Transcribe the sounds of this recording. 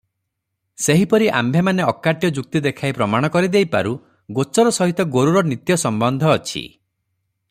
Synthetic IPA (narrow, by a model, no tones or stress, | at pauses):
seɦipɔɾiʔa̰mbʱemaneɔkːaʈjɔd͡ʒuk̚t̪id̪ekʰajpɾɔmaɽ̃ɔkɔɾid̪ejpa̰ɾu | ɡot͡ʃɔɾɔsɔɦit̪ɔɡoɾuɾɔnit̪jɔsɔmbɔnd̪ʱɔːt͡ʃʰḭ